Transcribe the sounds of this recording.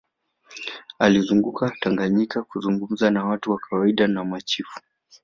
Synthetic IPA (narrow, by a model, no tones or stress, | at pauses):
alizuŋɡukataŋɡaɲikakuzuŋɡum̩zanawatuwakawaiɗanamat͡ʃifu̥